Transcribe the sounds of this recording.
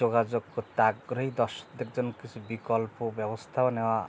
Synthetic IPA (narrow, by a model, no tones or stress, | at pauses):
oɡad͡ʒoɡkɔt̪aɡɾɔɦid̪ɔʃɔ̥kd̪ek̚d͡ʒɔnɔkit͡ʃʰubikɔlpobjɔbɔst̪ʰaɔneba